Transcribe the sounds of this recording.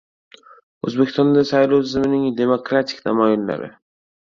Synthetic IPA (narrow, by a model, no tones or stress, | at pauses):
ɵzbekʲɪ̥st̪ɔnd̪asajlowt̪ʰɪzmɪnɪŋd̪e̞mokɾat̪ʰɪ̥kʲnamɒjɒnla̰ɾɪ̰